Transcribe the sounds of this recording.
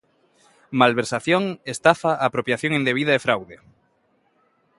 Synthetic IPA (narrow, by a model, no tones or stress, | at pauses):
malβeɾsaθjoŋest̪afaapɾopjaθjõŋẽnd̪eβiðaefɾawðe